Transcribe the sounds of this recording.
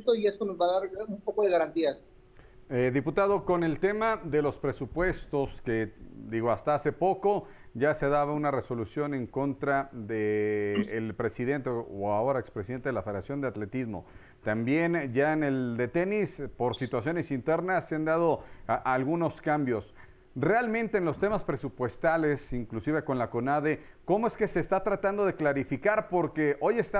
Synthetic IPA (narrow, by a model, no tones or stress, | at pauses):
t̪oie̞st̪onozβaðaɾumpo̞ko̞ðeɣaɾant̪ias | eðiput̪aðo̞ko̞ne̞lt̪e̞maðe̞lo̞spɾe̞supwe̞st̪o̞ske̞d̪iɣo̞ast̪aase̞po̞ko̞ | ʝaseaðaβaunare̞so̞lusjo̞ne̞ŋko̞nt̪ɾaðeː | lpɾe̞sið̞e̞nt̪eoao̞ɾaekspɾesiðe̞nt̪e̞ðelafe̞ðeɾasjo̞nd̪eat̪le̞t̪izmo̞̰ | t̪ambje̞nʝaene̞ld̪e̞t̪e̞nispo̞ɾsit̪wasjo̞ne̞sint̪e̞ɾnasːeand̪að̞o̞alɣuno̞skambjo̞s | re̞almẽ̞nt̪e̞ːnlo̞st̪e̞maspɾe̞supwe̞st̪ale̞siŋklusiβe̞ko̞nlako̞naðe̞ | ko̞moe̞ske̞se̞ːst̪at̪ɾat̪and̪o̞ðe̞klaɾifikaɾpo̞ɾke̞ʔo̞je̞st̪a